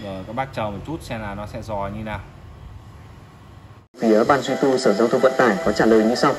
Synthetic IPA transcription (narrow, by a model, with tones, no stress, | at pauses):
əː˨˩kaː˦˥k̚ɓaː˦˥k̚t͡ɕə˨˩mɔ˨˩t̚t͡ɕu˦˥t̚sɛ˧mlaː˨˩nɔ˨˦sɛ̰˧˥zɔ˨˩ɲɨ˧naː˨˩w | fi˨˦əɓaː˧nzwi˧t̪u˧səː˧˩zaː˧wt̪ʰə˧ŋ͡mwvə̰˧˨nt̪aː˧˩jkɔ˨˦t͡ɕaː˧˩ləː˨˩jɲɨ˧sa˧w